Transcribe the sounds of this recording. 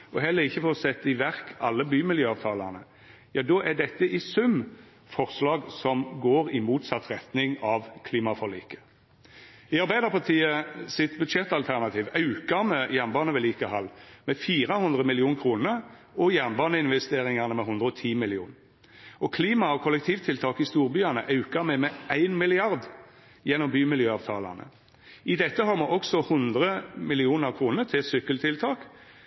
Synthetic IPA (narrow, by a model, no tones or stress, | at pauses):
ʔɔɦɛlːəʁɪçːəfoʁsɛt̪ːɪʋæʁkɑlːəbyːmɪljøːɑʋt̪ʰɑːlɑnə | jɑːd̪ɔʔæɖɛt̪ːəʔɪsʉm | fɔʁslɑːɡsɔmɡoːʁɪmuːt̪sɑt̪ːʁɛt̪nɪŋɑʋkʰliːmɑfɔʁlḭːkə̥ | ɪɑɾbæɪd̪əʁpʰɑt̪ʰiːəsɪt̪bʉd̪ʃɛt̪ːɑlt̪ʰæʁnɑt̪ʰiːʋɑʉkɑɾmɛjænbɑːnəʋɛliːkəhɑlːmɛfiːɾəhʊnd̪ʁəmɪlɪuːnkʰɾuːnəɾ | ɔjænbɑːnəɪnʋɛst̪eːɾɪŋɑnəmɛɦhʊnd̪ɾəɔt̪ʰiːmɪlɪuːn | ɔkʰliːmɑɔkʰɔlɛk̚t̪ʰiːʋt̪ʰɪlt̪ʰɑːkɪst̪uːɾbyːɑnəʔɑʉkɑɾmɛmɛæɪnmɪlɪɑɾd̪ | jɛnːɔmbyːmɪljøːɑːʋt̪ʰɑːlɑ̰nə̰ | ɪd̪ɛt̪ːəhɑːɾmoːʔɔksɔhʊnd̪ʁəmɪlɪuːnəɾkʰɾuːnəɾt̪ʰɪlsʏkːəlt̪ʰɪlt̪ʰɑːk